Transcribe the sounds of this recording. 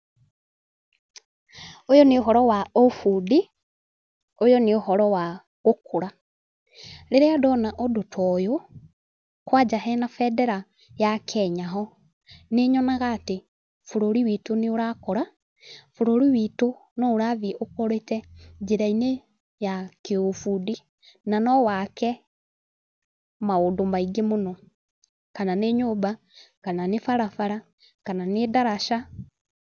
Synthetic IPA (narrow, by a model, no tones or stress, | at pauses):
ojɔneoɦɔɾɔwaofudi | ojɔneohɔɾɔwa | ɣokʰuɾa | ɾeɾeadɔnaʔɔdotʰɔjo | kwad͡ʒaɦɛnafɛdɛɾa | jakʰɛɲaɦɔ | neɲɔnaɣaːte | foɾoɾiwitoneoɾakɔɾa | foɾoɾiwitonɔoɾaðiʔokoɾetɛd͡ʒeɾaine | jakeofudi | nanɔwakɛ | maondomaiɡemonɔ | kananeɲoba | kananefaɾafaɾa | kananedaɾaʃa